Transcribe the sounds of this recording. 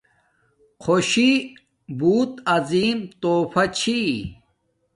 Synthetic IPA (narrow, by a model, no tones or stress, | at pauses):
kʰoɕi | buːt̪ɐziːmt̪oːfɐt͡ɕʰi